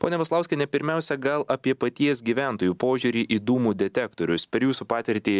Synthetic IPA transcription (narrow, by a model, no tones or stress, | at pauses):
poːnʲɛʋɐslˠɑʊsʲkʲɛnʲɛpʲɪɾʲmʲɛˑʊsʲɛɡɐlˠʔɐpʲiɛpɐt̪ʲiɛsɡʲiːʋʲæˑnt̪oːjuːpoːʒʲuːɾʲiːʔiːd̪uːmuːd̪ʲɛt̪ʲɛkt̪oːɾʲʊspʲɛɾʲjuːsupɑːt̪ʲɪɾʲt̪ʲiː